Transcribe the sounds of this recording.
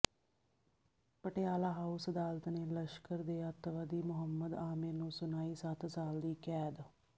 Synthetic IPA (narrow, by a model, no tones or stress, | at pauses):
pəʈejaːlaːɦaːusəd̪aːlət̪neːləʃkəɾd̪eːət̪ʋəd̪iːmʊɦəmːəd̪aːmɪɾnũːsʊnaːiːsət̪saːld̪iːkɛːd̪